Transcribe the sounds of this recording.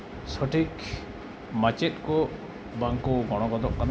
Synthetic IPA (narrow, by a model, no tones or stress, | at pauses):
sɔʈik | mat͡ʃet̪̚kɔ | baŋkuɡɔɽ̃ɔɡɔd̪ɔʔkan